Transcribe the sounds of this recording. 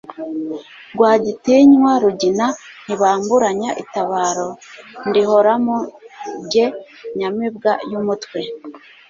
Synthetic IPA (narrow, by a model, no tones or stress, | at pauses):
ɡwaːɟitiɲwaɾuɟinan̥iβaːmbuɾaɲaʔitaβaːɾo̞ndiho̞ɾamoɟe̞ | ɲamib̚ɡajumutwe̞